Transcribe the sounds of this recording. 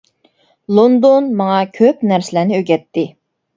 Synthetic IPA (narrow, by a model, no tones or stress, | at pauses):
lˠond̪onmɑŋɑkʲʰøpnæɾsɪlænɪøɡʲɛt̪ʰːɪ